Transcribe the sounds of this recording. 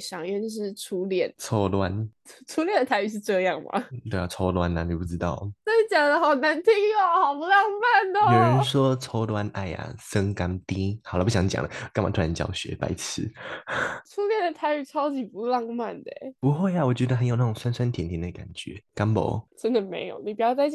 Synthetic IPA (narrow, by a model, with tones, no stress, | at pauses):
ɕɑ˨˩ŋɛ˥˧n˧ʂ̬ɻ̩˥˩ʈ͡ʂʰu˧˥ljɛ˥˩nt͡sʰo˥ʊlwa˦˥nʰ˥ | ʈ͡ʂʰu˥ljɛ˥˩nd̪ə˩t̪ʰa˧˥y˨˧˩ʂ̬ɻ̩˥˧ʈ͡ʂɤ˥˧jɑ˥˩ŋma̰˨˩t̪we˥˧ɪa˨˩t͡sʰo˥ʊlwa˦na˨ni˨˩pu˥˩ʈ͡ʂɻ̩˥˦t̪ɑ˥˩ʊt͡se˥˩˦t͡ɕjɑ˨˩ŋd̪ə˦xɑ˨˩ʊna˧˦nt̪ʰi˥ŋa˨xɑ˨˩ʊpu˧˦lɑ˥˧ŋma˥˩nə˨˩mjo˨˩ʊɻə˧˦nʂwɔ˦t͡sʰo˥ʊlwa˦nʔa̰˥˩ɪa̰˨˩sə˦ŋka˥nt̪i˦xla˧˦pu˥˩ɕjɑ˧˥ŋt͡ɕja̰˨˩ŋlə̰˦˧ka˥nma˨˩t̪ʰt͡ɕjɑ̰˧˩ʊɕɥɛ̰˧˦pa̰˨˥ɪt͡sʰɹ̩˧˦ | t͡sʰu˥ljɛ˥˩nd̪ə˩t̪ʰa˧˥ɪy˧˩t͡sʰɑ˥ʊt͡ɕi˨˩pu˧˦lɑ˥˧ŋma˥˩nd̪ə̰˨˩pu˧˦xwe˥˩ɪa˨˩wɔ˨˩t͡ɕɥɛ˧˥d̪ə˧xə˧˦njo˨˩na˥˩ʈ͡ʂo˨˩ŋswa˥nsa˥˦nt̪ʰjɛ˨˥nt̪ʰi˧˥˦nd̪ə˧˩ka̰˨˩nt͡ɕɥɛ̰˨˧˦ka˥npo̰˨˩˦ʈ͡ʂə˥nd̪ə˨mḛ˧˥ɪjo˨˩ʊni˨˩p̬u˨˩jɑ˥˧ʊt͡sa˥˧ɪ